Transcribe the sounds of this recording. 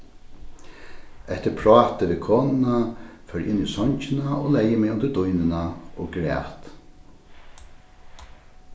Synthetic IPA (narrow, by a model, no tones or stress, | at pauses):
ɛht̪əɾpʰɾɔːt̪əʋɪkʰoːnɪnafœːɾʔɪ̰nːisɔɲt͡ɕɪnaɔlɛjːəmɛʊnt̪əd̪ʊjnɪnaɔɡɾɛ̰ːt̪